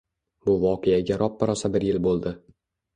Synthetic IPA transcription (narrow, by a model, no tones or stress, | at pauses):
bʊvɒqejaɡʲaɾʔɒpːɪɾɒsabɪɾjɪlbolˠd̪ɪ